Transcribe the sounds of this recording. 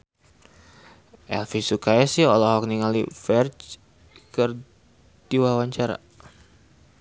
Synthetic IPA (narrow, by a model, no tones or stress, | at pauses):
ʔɛ̰lfisukaɛsiɔlɔɦɔk̚niŋalifɛrt͡ʃ | kər | diwawaɲt͡ʃaɾa̰